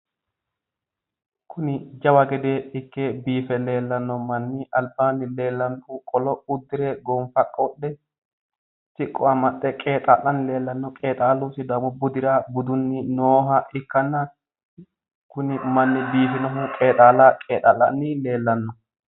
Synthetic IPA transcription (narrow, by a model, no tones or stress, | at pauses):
kʰʊnɪd͡ʒɐwɐɡɛd̪eːɪkːeːbiːfɛle̞ːlːɐnːɔmɐnːɪʔɐlbaːnːɪle̞ːlːɐmkʼukʼɔlɔʊd̪ːɪɾɛɡɔmfɐkʼːɐwɔɗːɛ | sɪkʼːɔɐmɐɗːɛkʼe̞ːt̪ʼaːlːɐnɪle̞ːlːɐnːɔkʼe̞ːt̪ʼaːlːuːsɪd̪ɐmɔbʊd̪ɪɾabʊd̪ʊnːɪnoːɦɐɪkːɐnːɐ | kʊnɪmɐnːɪbiːfɪnɔɦʊkʼe̞ːt̪ʼaːlaːkʼeːt̪ʼalːɐ̰nːɪle̞ːlːɐnːɔ